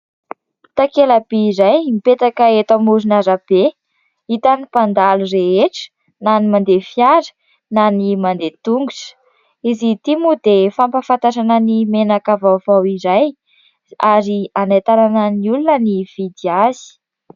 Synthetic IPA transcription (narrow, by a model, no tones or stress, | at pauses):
t̪akelabeiɾajmipet̪akaet̪amuɾinaɾab̥e | it̪anipand̪alureeʈ͡ʂə̥ | nanimand̪efjaɾə̥ | nanimand̪et̪uŋɡuʈ͡ʂə̥ | izit̪imud̪efampafant̪aʃanənimenakavavawiɾaj | aɾianajt̪ananəniulunəniv̥id̪iazi̥